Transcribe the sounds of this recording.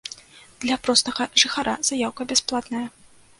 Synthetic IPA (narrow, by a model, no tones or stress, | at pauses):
d̪lʲapɾɔst̪ɐɣɐʐɨxaɾʔa̰z̥ajawkɐbʲasplˠat̪nɐjɐ